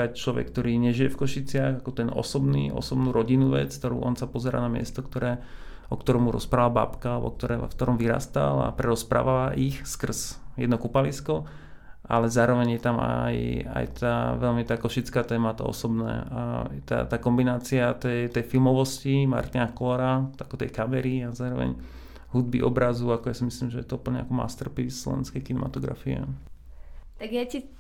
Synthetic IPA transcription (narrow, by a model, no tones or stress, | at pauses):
at͡ʃlɔʋɛ̰kːt̪ɔɾiːɲɛʒijɛfkɔʃit͡sɪaɣakɔt̪ɛnɔ̰sɔbnḭːʔɔ̰sɔbnuːɾɔɟinuʋɛ̰t͡sk̚t̪ɔɾṵːʔɔnsapɔzɛɾa̰ːnamɪɛ̰st̪ɔkt̪ɔɾɛː | ʔɔkt̪ɔɾɛːmuɾɔ̰spɾaalaba̰pkaːlɛbɔ̰k̚t̪ɔɾɛ̰fkt̪ɔɾɔmʋiɾa̰ːst̪a̰la̰pɾɛɾɔspɾa̰ːʋalaʔixskr̩zjɛ̰d̪nɔkupaliskɔ | ʔa̰lɛzaːɾɔʋɛɲjɛt̪ama̰ja̰jt̪aːʋɛlmit̪aːkɔʃit͡skaːt̪ɛːmat̪a̰ɔ̰sɔbnɛ̰ːa̰t̪a̰t̪aːkɔmbinaːt͡siat̪ɛjt̪ɛjfilmɔʋɔscima̰ɾt̪inakɔlɔɾaakɔt̪ɛ̰jkamɛɾiazaːɾɔʋɛ̰ɲ | ɦud̪̚bḭʔɔbɾazuakɔjasimislimʒɛjɛt̪ɔupəl̩ɲɛ̰akɔma̰st̪rpisslɔ̰ʋɛ̰nskɛjklinɛma̰t̪ɔɡɾa̰fiɛ̰ | t̪aɡjɛci